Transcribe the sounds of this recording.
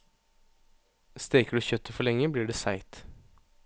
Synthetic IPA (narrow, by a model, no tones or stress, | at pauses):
st̪eːkəɖʉːçœt̪ːəfɔɭɛŋːəbliːɖeːsæɪt̪